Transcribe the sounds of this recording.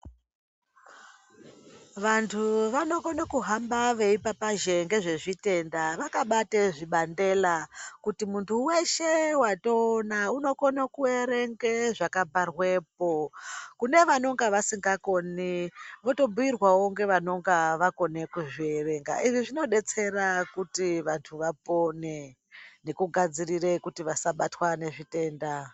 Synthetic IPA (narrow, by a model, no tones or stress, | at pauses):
ʋantʰuʋano̞konakuɦambaʋe̞ipapaʒe̞ŋɡe̞ʐe̞ʐite̞ndaʋakaɓateʐiɓande̞lakutimuntʰuwe̞ʃewato̞ːnauno̞konakueɾe̞ŋɡeʐakabʱarwe̞ːpokune̞ʋano̞ŋɡaʋasiŋɡako̞niʋo̞to̞buirwawoŋɡe̞ʋano̞ŋɡaʋako̞ne̞kuʐieʋe̞ŋɡa̰ʔiʐiʐino̞ɗe̞t͡se̞ɾakutiʋantʰuʋapo̞ne̞ | ne̞kuɡʱad͡zirire̞kutiʋasaɓatwane̞ʐite̞ːnda